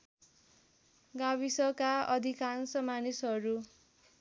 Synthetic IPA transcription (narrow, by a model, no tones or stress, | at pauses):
ɡawisʌkaʌd̪ʱikansʌmanisɦʌɾu